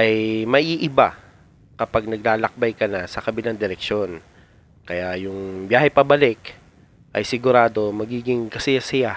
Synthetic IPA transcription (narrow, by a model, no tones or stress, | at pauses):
ʔɐjmɐʔiːʔɪba | kɐpaɡ̚nɐɡ̚laːlɐk̚bajkɐnasɐkɐbɪland̪ɛɾɛk̚ʃjo̞n | kɐjajʊŋbjaːɦɛpɐbɐlɪk | ʔɐ̰jsɪɡʊɾaːd̪o̞mɐɡiːɡɪŋkɐsɪjasɪja